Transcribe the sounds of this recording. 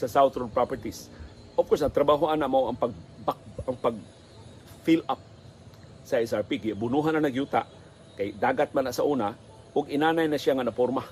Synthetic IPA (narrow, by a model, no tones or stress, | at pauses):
sasawt̪ɾonpɾapɛɹt̪is | ʔɔfkɔɹs̬ɐŋt̪ɾɐbaɦoʔanaʔmaʔɐŋpaɡ̚bak̚aŋpaɡ̚ | filap̚ | saɛsaɹpiɡɪjabʊnuɦananaɡjuːt̪a̰ʔ | kajd̪aːɡat̪̚manaʔsaʔuːna | ʔʊɡɪnaːnajnasɪaŋanapoɾma